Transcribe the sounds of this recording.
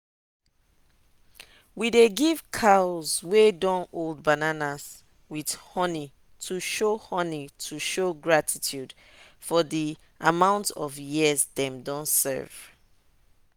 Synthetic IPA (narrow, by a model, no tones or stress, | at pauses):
wideɡiv̥kʰazwedɔ̃noldbananas | wid̥hɔni | tʰuʃohɔnitʰuʃoɡɹatʰitʰjud | fɔði | ʔamãʊ̃ntɔvjizdɛ̃mdɔ̃nsɛ̰v̥